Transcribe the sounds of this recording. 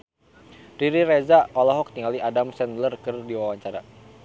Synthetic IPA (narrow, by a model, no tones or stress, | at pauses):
riɾiɾɛzaʔɔlɔɦɔk̚t̪iŋɡaliʔadamsɛnlərkɨrdiwawaɲt͡ʃaɾa̰